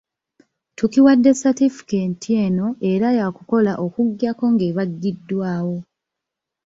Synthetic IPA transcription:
tukiwadːe̞satifi̥kentieno̞ʔe̞ɾajakuko̞laʔo̞kuɡːako̞ŋɡe̞βaɡːidːwaːwo̞

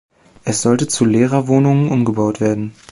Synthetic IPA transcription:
ʔɛsz̥ɔltət͡suleːʁɐvoːnʊŋənʔʊmɡəbaʊtv̥eːɐdn̩

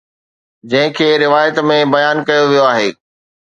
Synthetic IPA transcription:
d͡ʑɐ̃ɦɪ̃kʰeːɾɪʋaːjət̪mẽbɐjaːnkɐjoʋijoaːɦeː

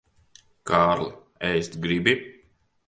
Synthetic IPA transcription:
kaːɾlˠa | ɛjst̪ɡɾibi

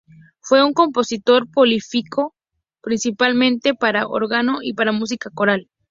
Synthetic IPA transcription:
fwe̞uŋko̞mpo̞sit̪o̞ɾpolifikʰo̞ | pɾinsipalmẽ̞nt̪e̞paɾaʔo̰ɾɣano̞ʔipaɾamus̬ikako̞ɾal

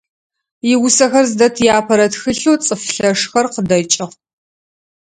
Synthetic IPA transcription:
jɪwʊsɐxɐrzdɐtʰjaːpʰɐɾɐtxɨɬuːt͡sʼɨfɬɐʂxɐrqədɐt͡ʃʼɪʁ

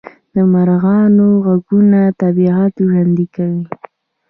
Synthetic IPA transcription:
d̪̥əmaɾɣɑnoɣaɡunat̪abiɑt̪oʒand̪ikawi

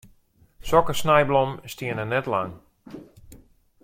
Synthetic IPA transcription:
sɔkəsnɛjblɔmstiənənɛtlaŋ

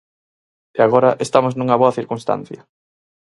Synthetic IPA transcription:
eaɣ̞oɾɐʔest̪amoznuŋɐβoɐθiɾkunst̪a̰n̟θjɐ

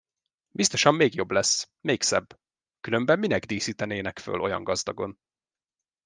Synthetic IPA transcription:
bist̪o̞ʃɒmːeːɡjo̞blɛs | meːksɛbː | kylø̞mbɛmːinɛɡd̪iːsiːt̪ɛneːnɛkfø̰lo̞jɒ̰ŋɡɒzd̪ɒɡo̞n

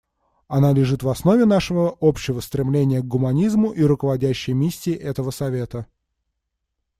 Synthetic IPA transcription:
ɐnalʲɪʐɨt̪vɐsno̞vʲɪnaʂəvəopɕːɪvəst̪ɾʲɪmlʲenʲɪjəɡ̚ɡʊmɐnʲizmʊʔiɾʊkəvɐdʲæɕːɪjəmʲisʲːɪːʔɛt̪əvəsɐvʲe̞t̪ə

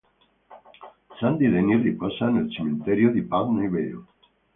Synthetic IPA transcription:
sand̪iðeniripɔsanelt͡ʃement̪eɾjoðipalnoiβeo̰

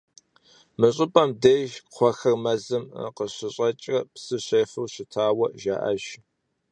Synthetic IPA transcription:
mɨɕʼɪpʼɐmdeʒqʷɔxɐrmɐzɨm̰qəɕɪɕʼɐt͡ʃʼrɐpsɨɕeːfɨwɕɪtʰaːwɐʒa̰ːʔɐ̰ʒ

